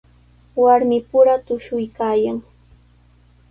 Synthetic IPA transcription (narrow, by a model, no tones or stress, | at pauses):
waɾmɪpʊɾat̪ʊʃʊjkaːjaŋ